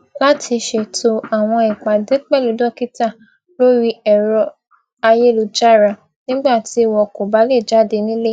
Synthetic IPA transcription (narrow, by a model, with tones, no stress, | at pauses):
la˦tʰi˧ʃe˧˨tʰo˧a˨w̃ɔ̃˧i˨k͡pa˨de˨˦k͡pɛ˦˨lu˨˦dɔ˦˨ki˦ta˦˨ | lo˦ɾi˧ɛ˨ɾɔ˧˦ | a˧je˦lu˧d͡ʒa˦ɾa˨ | nĩ˦ɡ͡ba˦˨ti˨˧˦wɔ˧ko˨ba˨˦le˦˨d͡ʒa˦˨de˧˦nĩ˦le˦